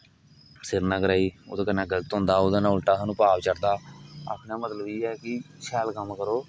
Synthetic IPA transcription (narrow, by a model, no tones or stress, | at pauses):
sɪɾnaːkəɾaːiːʊd̪ːkənãːɡələt̪ɦʊ̃nd̪aːod̪aːnãːʊlʈaːsãːnũːpaːʋt͡ʃəɾd̪aːa̰ːpʰnãːmət̪ləbiːɛːkɪ | ʃɛːlkəmkəɾoː